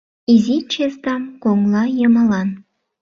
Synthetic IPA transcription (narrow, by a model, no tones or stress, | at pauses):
izit͡ɕesd̪ɑmkoŋlˠɑjɤmɑlɑn